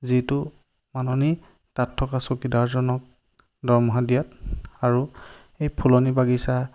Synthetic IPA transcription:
zitʊ | manɔni | tatʰːɔkasokidaɹzɔnɔk̚ | dɔɹmɔɦadijataɹu | ejpʰulɔnibaɡisa

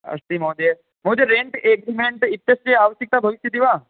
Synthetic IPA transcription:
ɐ̰st̪imoːd̪e | moːd͡ʒeɾẽːɳʈeːɡɾimẽɳʈɪt̪ːjɐsɾeaːʋəʃjɪk̚t̪abʱɐʋɪʃjəd̪iʋaː

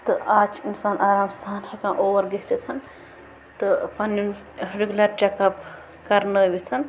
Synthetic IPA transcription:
t̪ɨaːt͡ʃʰinsaːnʔaːɾaːmst̪ʰaːnhɐkãːʔoːʋɐɾɡeɦt͡ʃɐt̪ʰɐn | t̪ɨpɐnun | ɾeɡulɐɾt͡ʃɛkɐp | kɐɾnəʋit̪ʰɐn

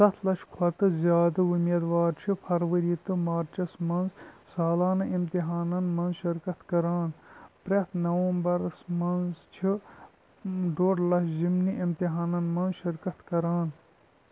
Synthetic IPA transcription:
sɐt̪ʰlɐʃkʰwɐt̪ɨzjaːd̪ɐumiːd̪ʋaːɾt͡ʃʰipʰɐɾʋɐɾit̪ɨmaːɾt͡ʃɐsmɐnzsaːlaːnɐʔimt̪iɦaːnɐnmɐnzʃiɾkɐt̪kɐɾaːnpɾɐt̪nɐʋɐːmbɐɾɐsmɐnzt͡ʃʰi | ɖoːɖlɐʃzimniʔimt̪iɦaːnɐnmɐnzʃiɾkɐt̪kɐɾaːn

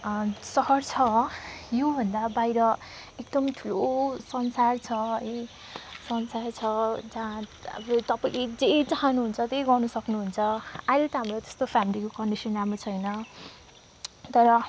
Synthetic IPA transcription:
sʌɦʌrt͡sʰʌjobʱʌnd̪abajɾʌek̚d̪ʌmʈʰulosʌnsart͡sʰʌʌj | sʌnsart͡sʰʌd͡zãʌ̰bʌt̪ʌpailed͡zet͡saɦanuɦunt͡sʰʌt̪ejɡʌrnusʌknuɦunt͡sʰʌajlt̪ʌɦamrot̪e̥st̪opʰamilikokʌɳɖisʌnamat͡sʰʌjnʌ | t̪ʌɾʌ

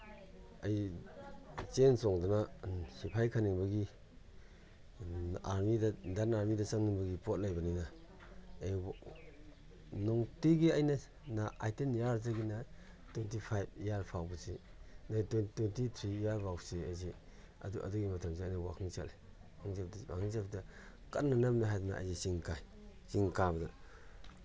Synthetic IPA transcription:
aj | t͡ʃensɔŋdɔnahipʰajkʰaniŋbɐɡi | aɾmidadanaɾmidɐsaŋniŋbɐɡipot̚lajbanina | aj | nɔŋtiɡiajnɐ | naʔa̰jtenjaɾzaɡinɐ | twentipʰajbjaɾpʰawbɐsinatwententit̪ʰɾiːjaɾbʰawsiajze | ɐ̰duʔɐ̰duɡimɐtʰɐmseajnɐwa̰kʰɯŋsal | kʰaŋsap̚dwa̰kʰɯŋsap̚dɐ | kat̚nanamniɦajduna̰ʔa̰jzisiŋkʰaj | siŋkabdɐ

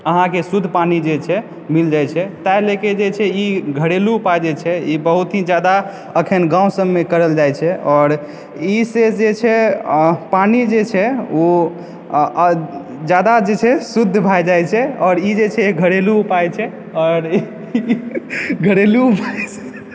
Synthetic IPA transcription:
əɦãkesud̪ʱːpanid͡ʒet͡ʃʰɛ | mild͡ʒajt͡ʃʰɛt̪ajleked͡ʒet͡ʃʰɛiɡʱəɽeluːpad͡ʒet͡ʃʰɛibəɦut̪ɦĩd͡ʒjad̪a | əkʰənɡãũsəmːekəɾəld͡ʒajt͡ʃʰɛɔːɾ | ised͡ʒet͡ʃʰɛ | panid͡ʒet͡ʃʰɛo | d͡ʒjad̪ad͡ʒet͡ʃʰɛsud̪ʱːbʱajd͡ʒajt͡ʃʰɛɔːɾid͡ʒet͡ʃʰɛɡʱəɽeluupajt͡ʃʰɛ | ɔːɾ | ɡʱəɽeluupat͡ʃʰ | ɛ̥

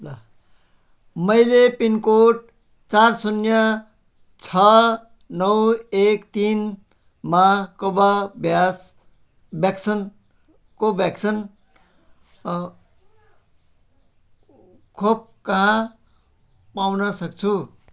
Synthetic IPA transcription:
la | mʌjlepinkoʈ̚ | t͡sarsunjʌ | t͡sʰʌ | nʌwekt̪in | makobabjas | bjaksʌn | kobjaksʰʌn | kʰob̚kʌɦã | pawnʌsʌk̚t͡sʰu

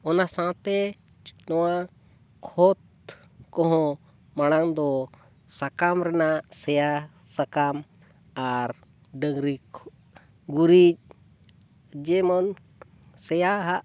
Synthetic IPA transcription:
ɔnasãt̪ɛ | nɔwa | kʰɔt̪̚ | kɔɦɔ̃ | maɽ̃aŋd̪ɔ | sakamɾɛnasɛja | sakam | aɾ | ɖəɡɾikʰ | ɡuɾit͡ʃ̚ | d͡ʒɛmɔn | sɛjaɦaʔ

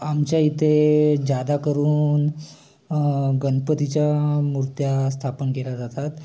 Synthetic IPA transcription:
amt͡ɕjait̪ʰed͡ʑad̪akəɾuːn | ɡənpət̪it͡ɕjamuɾt̪jast̪ʰapənkelad͡zat̪at̪

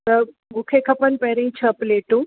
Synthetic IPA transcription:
t̪ɐ | ɡʊkʰekʰɐpənpɐɦɾĩĩt͡ɕʰɐpleːʈũː

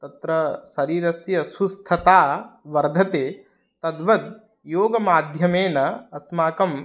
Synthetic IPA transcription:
t̪ɐt̪ɾɐsɐɾiːɾɐsjɐsust̪ʰɐt̪aːʋɐɾd̪ʱɐt̪eː | t̪ɐd̪ʋɐd̪ | joːɡɐmaːd̪ʱjɐmeːnɐɐsmaːkɐm

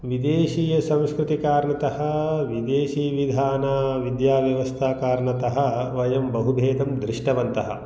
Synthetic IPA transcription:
ʋid̪eːʃiːjɐsɐ̃w̃skɾut̪ikaːɾɳɐt̪ɐɦɐ̆ʋid̪eːʃiːʋid̪ʱaːnaːʋid̪jaːʋjɐʋɐst̪ʰaːkaːɾɳɐt̪ɐɦɐ̆ʋɐjɐmbɐɦud̪ʱeːt̪ɐmd̪ɾiʂʈɐʋɐnt̪ɐɦɐ̰̆

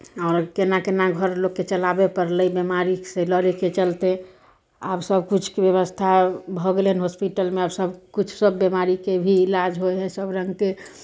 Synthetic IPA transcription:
ɔʊɾkenakenaɡʱəɾlokːet͡ʃəlabepəɾləjbjemaɾiseləɾeket͡ʃəlt̪e | a̰bsəbkut͡ʃʰkebjeβəst̪ʰabʱɔɡeleɦənɦospiʈəlmeabsəbkut͡ʃʰsəbːemaɾikebʱiːlad͡ʒɦojɦɛsəbɾə̃ŋɡke

